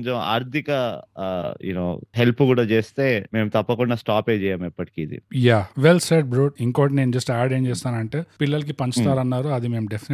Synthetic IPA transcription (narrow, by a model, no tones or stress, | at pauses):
t͡ʃema̰ːɾt̪ʰikɐ | ḛno̰ːɦelpukuːɽaːt͡ʃeːst̪e̞ːmeːmut̪ɐpːɐkuɳɖaːsʈaːpeːd͡ʒɛːjaːmɛpːɐʈi̥kiːd̪ḭjaːʋelseʈ̚bɾoːʈiŋkoːʈ̬ine̞ːnud͡ʒɐsʈaːɖeːmt͡ʃɛːst̪aːnɐɳʈe̞ːpilːɐlɐk̬ipɐɲt͡ʃut̪aːɾɐnːaːɾuɐd̪ime̞ːmuɖepʰin